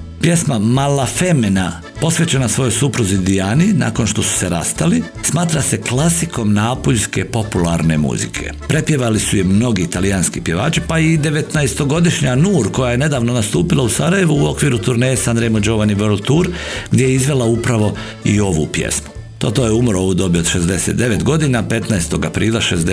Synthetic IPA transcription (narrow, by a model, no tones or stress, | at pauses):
pje̞smamalafe̞mena | po̞sʋe̞t͡ɕenasʋo̞jo̞jsupɾuzid̪ijaːnina̰ːko̞nʃt̪o̞su̥se̞ɾa̰st̪ali | smaːt̪ɾase̞klasiko̞mnaːpoʎʲske̞po̞pulaɾne̞̰mṵzḭkʰe̞̰pɾe̞pje̞ʋalisujemno̞ɡiːt̪alijanskipje̞ʋaːt͡ʃipaid̪e̞ʋe̞t̪naest̪o̞ɡo̞d̪iʃɲanuːɾkojaje̞ne̞d̪aːʋno̞nast̪uːpilˠausaɾaje̞ʋuːo̞kʋiːɾut̪uɾneːjsand̪ɾejmod͡ʒo̞ʋaniʋelˠt̪uɾɡd̪jejeizʋe̞lˠaupɾaʋo̞ | io̞ʋṵpjḛsmu̥ | t̪ot̪oːjeumɾo̞ʋud̪o̞biod̪ʃe̞zd̪e̞set̪d̪e̞ʋe̞t̪ɡo̞d̪inape̞t̪naest̪o̞ɡapɾiːlaʃezd̪